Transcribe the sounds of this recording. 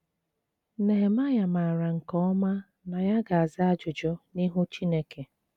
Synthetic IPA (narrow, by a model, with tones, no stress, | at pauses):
ne˨ɦe˨ma˦ja˨ma˨ɾa˨ŋ̩˨kɔ˦ɔ˦ma˦ | na˨ja˦ɡa˨a˨zɪ˦a˦d͡ʒʊ˨d͡ʒɔ˦ni˦ɦu˦t͡ʃi˦ne˦ke˨